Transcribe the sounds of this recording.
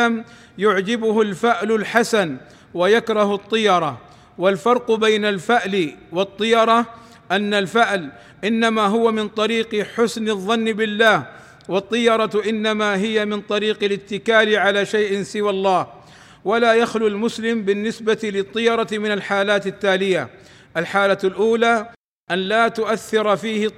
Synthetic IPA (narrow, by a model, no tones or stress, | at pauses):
am | jʊʕd͡ʒɪbʊhʊlfaʔlʊlħasan | wajakɾˤɑhʊt̪ˤːɨjɑɾˤɑ | walfɑɾˤqʊbajnalfaʕlwɑt̪ˤːɨjɑɾˤɑ | ʔanːalfaʕl | ʔɪnːamaːɦʊwamɪnt̪ˤɑɾiːqħʊsnɪðˤːɑnːɪbɪlːaːh | wɑt̪ˤːɨjɑɾˤɑʔɪnːamaːɦɪjamɪnt̪ˤɑɾiːqɪlɪt̪ːɪkaːlɪʕalaːʃajʔɪnsɪwalˤːɑːh | walaːjaxlulmʊslɪmbɪnːɪsbat̪ɪlɪt̪ˤːɨjɑɾˤɑmɪnalħaːlaːt̪ɪt̪ːaːlɪja | ʔalħaːlalʔuːlaː | ʔanlaːt̪ʊʔaθːɑɾˤfiːhɪ